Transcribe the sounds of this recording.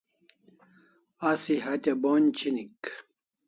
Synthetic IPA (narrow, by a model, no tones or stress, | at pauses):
asiɦɐt̪ʲɐboːnʲt͡ɕʰinik